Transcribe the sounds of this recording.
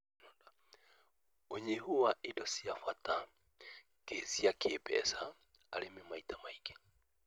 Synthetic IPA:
nɔnda | oɲehuwaʔidɔsiafwata | kesiakʰepɛ̰sa | alemimaitamaike̥

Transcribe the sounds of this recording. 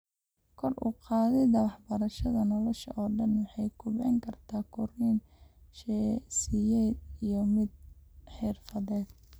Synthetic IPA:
kʰɔrʔʊ̰qɑːðɛd̪ɐwɑħbɐɾɐʃɐðɐnɔlɔʃɐ̰ʔɔːɖɐnwɑħɑjkʰʊbɛ̰ŋkʰɐrt̪ʰaːkʰʊrin | ʃɛsijɛːd̪ijɔmɪd̪̚ħɪrfɐðɛːd̪̚

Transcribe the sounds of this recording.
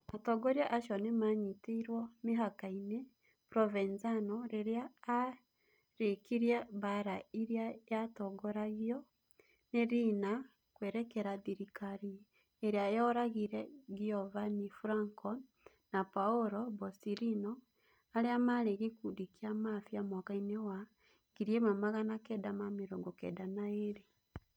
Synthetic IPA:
atoɡoɾjaʔaʃonemaɲiteiɾwomiɦakaine | pɾovenzanoɾeɾeaː | ɾekiɾjaβaɾaiɾjajatoɡoɾaɣiɔ | neɾina | kweːɾekeɾaðiɾikaɾi | eɾeaejɔɾaɣiɾɛɡiɔvanifuɾaŋkɔ | napaoɾɔbɔsiɾinɔ | aɾeamaɾeɣikudikiamafjamwakainewa | ɡiɾjemamaɣanakɛːdamameɾoɡokḛːdanaeɾe

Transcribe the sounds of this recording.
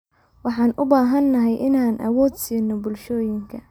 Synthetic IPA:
wɑħɑːnʔʊbaːɦɐnːɐɦɛjʔɪnaːnʔɐ̰wɔːd̪siːnːɔbʊlʃɔːjɪŋkʰɐ

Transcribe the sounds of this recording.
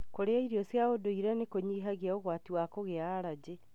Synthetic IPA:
koɾeaiɾiɔsjaodoiɾɛnekoɲiːɦaɣiaoɣwatiwakoɣeaɾad͡ʑe

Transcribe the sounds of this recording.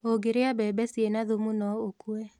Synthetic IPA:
oɡeɾeabɛːbɛsienaðomunɔokuɛ

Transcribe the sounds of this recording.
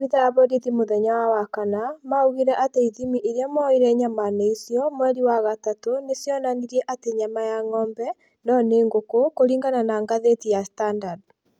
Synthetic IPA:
βiðaːβɔdiðimoðɛɲawawakanamauɣiɾɛʔateiðimiʔeɾjamɔiɾɛɲamaneisjɔmwɛɾiwaɣatatonesjɔnaniɾɛʔateɲamajaŋɔːmbɛ | nɔneːŋɡokokoɾiːŋɡananaŋɡaðetijastandad

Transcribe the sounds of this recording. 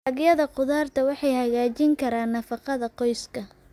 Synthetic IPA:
ɐɡjɐðɐqʊðaːrt̪ʰɐwɑħɑjhɐɣaːt͡ʃɪŋkʰɐɾaːnːɐfɑqɑðɐqɔjskʰɐ

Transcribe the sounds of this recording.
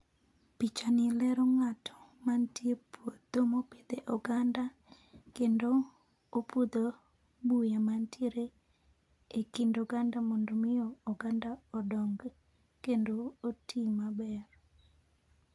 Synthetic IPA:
pit͡ʃanɪlɛɾɔŋatʰɔ̥mantjepʰwod̪omoped̪eʔɔɡanda | kendoː | pʰud̪o | bujamantʰieɾe | ekindɔɡandamɔndomɪjɔːɡandaɔdɔŋɡ | kendootʰimabɛr

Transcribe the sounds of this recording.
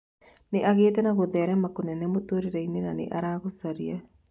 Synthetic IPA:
neʔaɣeːt̬ɛnaɣoðɛɾɛmakonɛnemotoɾeɾɛinenanḛʔaɾaɣosaɾia

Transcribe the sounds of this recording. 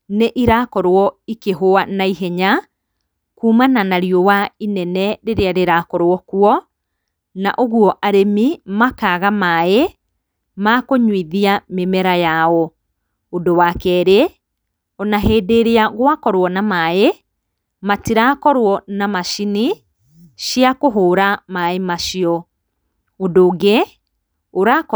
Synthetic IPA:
neʔiɾakɔɾwɔikeɦoanaiɦɛɲa | kuːmananaɾiɔwainɛnɛɾeɾeaɾeɾakɔɾwɔkwɔ | naʔoɣuɔʔaɾemimakaɣamae | makoɲwiðiamemɛɾajaɔ | odowakɛɾe | ɔnaɦeːdeɾeaɣwakɔɾwɔnamae | matiɾakɔɾwɔnamaʃini | ʃiakoɦoːɾamaemaʃiɔ | odoːɡe | oɾak

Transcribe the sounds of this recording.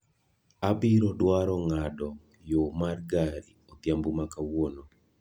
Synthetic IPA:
abiɾɔdwaɾɔŋadɔ | jomarɡaɾi | ot̪jambumakawono

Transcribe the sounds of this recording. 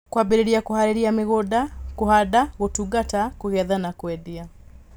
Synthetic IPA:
kwabiɾiɾiakuhaɾiɾiamiɣodakuhadaɣotuɡatakuɣɛðanakwɛdia

